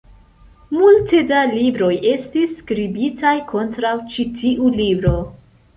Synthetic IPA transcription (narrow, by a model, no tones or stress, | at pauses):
multe̞dalibɾo̞je̞stisːkɾibitajkʰo̞ntɾawt͡ʃitʰiʔulibɾo̞